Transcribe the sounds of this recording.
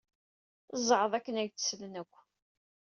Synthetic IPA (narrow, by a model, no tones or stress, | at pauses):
zˤʕəðˤækːənæɡt͡sːə̥slənækʷː